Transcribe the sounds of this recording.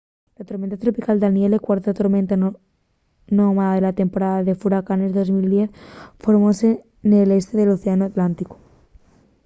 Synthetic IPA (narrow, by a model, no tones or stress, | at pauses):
lat̪oɾmẽnt̪at̪ɾo̞pikald̪anjelekwaɾt̪at̪oɾmẽnt̪a | nomaðaðe̞lat̪e̞mpo̞ɾaðaðe̞fuɾakanezðo̞zmild̪jeθfo̞ɾmose | nele̞st̪e̞ðe̞loθeanoat̪lant̪iko̥